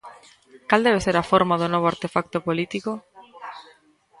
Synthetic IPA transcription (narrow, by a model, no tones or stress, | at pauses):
kald̪ɛβ̞eseɾafoɾmaðʊnɔβ̞oaɾt̪efak̚t̪opolit̪iko